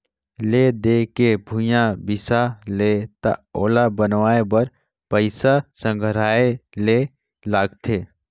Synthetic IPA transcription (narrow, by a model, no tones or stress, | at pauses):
led̪ekebʱũjãbɪsalet̪aoːlabənʋaːebəɾ | pəɪsasə̃ŋɡʱɾaːele | laːɡt̪ʰeː